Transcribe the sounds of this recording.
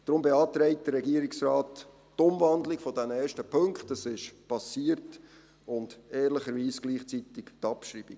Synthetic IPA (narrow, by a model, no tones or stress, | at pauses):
d̥ɾʊmbeɑːtɾɛɪt̚d̥əɾɾɛɡiːəɾiksraːt | tʊmvɑndlɪɡ̥fɔdɛnɛːɾʃtəpʰɵŋkχtɑsɪʃpɑsiːəɾt | ʊnd̥ɛːɾlɪχəɾʋiːsɡ̥liːχt͡sitɪktɑpʃɾiːbi